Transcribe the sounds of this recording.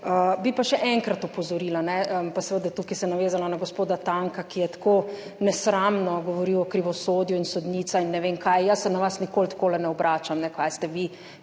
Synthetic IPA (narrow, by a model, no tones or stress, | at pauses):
əbipaʃɛʔɛŋkɾat̪ɔpɔzɔɾiːlanɛəpasɛʋəd̪at̪uːkisɛnaʋeːzalanaɡospoːd̪at̪aŋkakijɛt̪ḁko | nɛsɾamnɔɡɔʋɔɾiwɔkɾiʋɔsoːd̪juinsɔd̪niːt̪sainːɛʋeːmkʰajjəsːɛnaʋasnikoːlt̪koːlɛnɛɔbɾʔaːt͡ʃamnɛkajst̪ɛʋi